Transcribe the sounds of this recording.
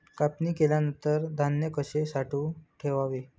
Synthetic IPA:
kapniːkeljanənt̪əɾd̪ʱanjəkəɕesaʈʰũʈʰeʋaʋe

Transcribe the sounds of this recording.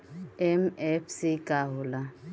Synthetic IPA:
ɛmɛfsikʼaɦula

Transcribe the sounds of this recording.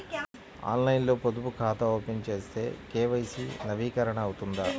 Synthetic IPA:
a̰ːnlɐjnlo̞ːpod̪upukʰaːt̪ɐoːpent͡ʃe̞ːst̪e̞̰ːkeːʋɐjsinɐʋiːkɐɾɐɳɐːwut̪und̪ɐ

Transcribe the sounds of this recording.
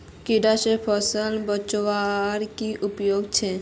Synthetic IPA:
kiɖaʃepʰɔsəlbət͡ʃʋaɾkiʔʊpjoːɡt͡ʃʰe

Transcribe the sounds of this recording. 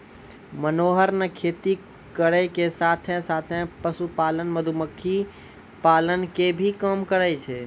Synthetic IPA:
mənoɦəɾnekʰet̪i | kəɾəjkesat̪ʰẽsat̪ʰẽpəsupalənməd̪ʱuməkʰːi | palənkebʱikəmkəɾəjt͡ʃʰɛ

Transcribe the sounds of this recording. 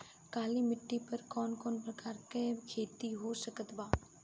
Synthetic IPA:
kaːlimɪʈːipɐɾkɔːnkɔːnpɾɐkaːɾkekʰeːt̪iɦosəkət̪baː

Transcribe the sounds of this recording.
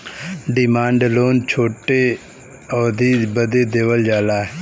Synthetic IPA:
ɖɪmaːɳɖloːnt͡ʃʰoːʈe | ɔːd̪iːbəd̪eːd̪eːʋəld͡ʒaːlaː

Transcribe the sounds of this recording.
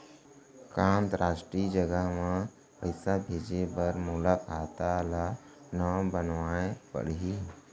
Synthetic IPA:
kãːnt̪ɾʔaːʃʈɾiːd͡ʒəɡəɦmã | pəɪsabʱeːd͡ʒebəɾmulakaːt̪ala | nəbənʋaːẽbə̰ɽɦi

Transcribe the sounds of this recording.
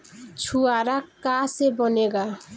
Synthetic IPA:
t͡ɕʰuaɾakːasebɔneɡa

